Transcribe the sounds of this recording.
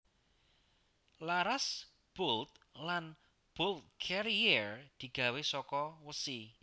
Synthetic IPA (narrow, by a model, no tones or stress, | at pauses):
laɾas | b̥olt̪̚lan | b̥olt̪̚kʰɛɾird̪̥i̤ɡ̥ä̤wesɔkɔwəsi